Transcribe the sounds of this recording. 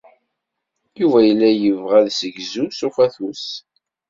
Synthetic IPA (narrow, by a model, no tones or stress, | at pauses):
juvæjəlːæjəvʁæðsəɡzusufæθus